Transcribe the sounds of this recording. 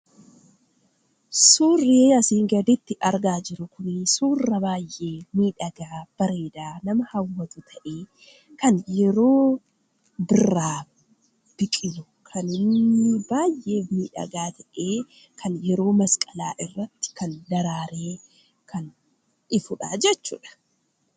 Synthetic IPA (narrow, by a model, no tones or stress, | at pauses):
suːrːeːɐsiːŋɡɐd̪ɪt̪ːɪʔɐɾɡaːd͡ʒɪɾʊkʊnsuːrːɐbaːjʔe̞ːmiːᶑɐɡaːb̥ɐɾeːd̪aːnɐmɐhɐwːɐt̪ʊt̪ʰɐʔeː | kɐnjɛɾo̞ː | bɪrːaː | b̥ɪkʼɪnʊ | kʰɐnɪnːɪbaːjʔe̞ːmiːᶑɐ̰ɡaːt̪ʰɐʔeː | kʰɐnjɛɾo̞ːmɐskʼɐla̰ːʔɪrːɐt̪ːɪ̥kɐnd̪ɐɾaːɾeː | kʰɐn | ʔɪfʊᶑa̰ːd͡ʒɛt͡ʃːṵːᶑɐ̥